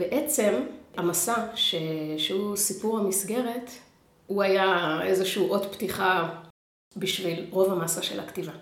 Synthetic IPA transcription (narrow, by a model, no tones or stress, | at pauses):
b̥eʔet͡se̞mamasaʃeʃeusipuʁhamisɡe̞ʁet | uajaezeʃuuʔo̞tptiχa | biʃvilʁo̞vamasaʃe̞̰la̰ktiva